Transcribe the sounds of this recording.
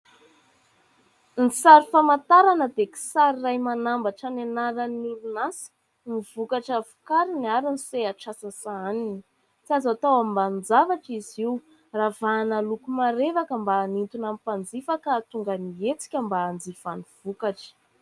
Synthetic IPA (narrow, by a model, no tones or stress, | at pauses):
nisaɾifamat̪aɾanəd̪eki̥saɾirajmanambaʈ͡ʂanenaɾənulunasi̥ | mivukaʈ͡ʂəvu̥kaɾiniaɾiniseaʈ͡ʂasasaanini | t͡siazat̪awammband͡zavaʈ͡ʂiziw | ravaːnalukumaɾevakəmbanint̪unamipand͡zifakat̪uŋɡəniet͡si̥kʲəmbaːnd͡zifaniv̥ukaʈ͡ʂə̥